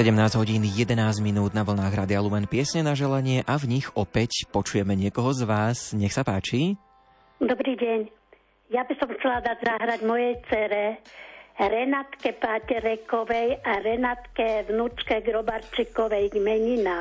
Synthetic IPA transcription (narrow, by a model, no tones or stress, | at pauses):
ɛɟɛmnaːzɟɦɔɟiːnjɛd̪ɛnaːzɟminuːd̪naʋl̩naːɣɾaːd̪iɪalumɛnpɪɛsɲɛnaʒɛlaɲɪɛʔavɲiɣɔpɛcpɔt͡ʃujɛmɛɲɪɛkɔɦɔzʋaːsɲɛxsapaːt͡ʃi | d̪ɔbɾiːɟɛɲ | jabisɔmxt͡sɛlad̪adzaɦɾaɟmɔjɛjt͡sɛɾɛ | ɾɛnat̪kɛpaːcɛɾɛkɔʋɛjaɾɛnat̪kɛʋnut͡ʃkɛɡɾɔbaɾt͡ʃikɔʋɛjɡmɛɲina